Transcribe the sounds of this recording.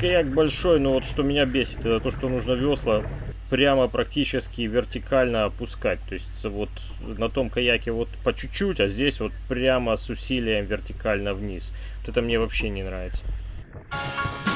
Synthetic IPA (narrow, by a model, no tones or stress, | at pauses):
kɐjakbɐlʲʂo̞jnovo̞t̪ʂt̪o̞mʲɪnʲabʲesʲɪ̥t̪ɛt̪ət̪o̞ʂt̪o̞nuʐnəvʲo̞slˠəpɾʲaməpɾɐktʲit͡ɕɪskʲɪvʲɪrtʲɪkʰalʲnəɐpʊskat̚ʲt̪o̞ɪsʲtʲvo̞t̪ | nɐt̪o̞mkɐjakʲɪvo̞t̪pət͡ɕt͡ɕːutʲɐzʲdʲesʲvo̞t̪̚pɾʲaməsʊsʲilʲɪjəmvʲɪrtʲɪkalʲnəvnʲis | ot̪ɛt̪əmnʲe̞vɐpɕːenʲɪnɾavʲɪt̪sə